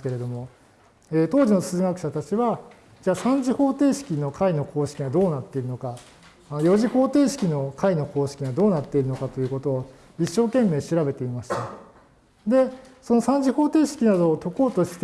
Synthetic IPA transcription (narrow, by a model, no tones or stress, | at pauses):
ske̞ɾe̞d̪omo̞ | eːt̪o̞ːʑinosɨːɡakɯ̟̥ɕat̪at͡ɕiβa | d͡ʑaːsãɲd͡ʑiho̞ːt̪e̞ːɕi̥kʲino̞kʰaino̞kʰo̞ːɕi̥kʲiɡad̪o̞ːnat̪ːe̞iɾɯ̟no̞ka | ajo̞ʑiho̞ːt̪e̞ːɕi̥kʲino̞kʰaino̞ko̞ːɕi̥kʲiɡad̪o̞ːnat̪ːe̞iɾɯ̟no̞kat̪o̞jɯ̟ːko̞t̪o̞ː | iɕːo̞ːkẽ̞mːe̞ːɕiɾabe̞t̪e̞imaɕi̥t̪a | d̪e̞so̞no̞sãɲ̟d͡ʑiho̞ːt̪e̞ːɕi̥kʲinad̪o̞ːt̪o̞ko̞ːt̪o̞ɕi̥t̪